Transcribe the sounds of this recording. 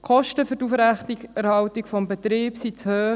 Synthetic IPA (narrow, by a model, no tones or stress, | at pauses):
kʰχɔʃtəfʏɾtufɾæχtikɛɾhɑwtikfɔmbɛt̪ɾiːbsit͡shøː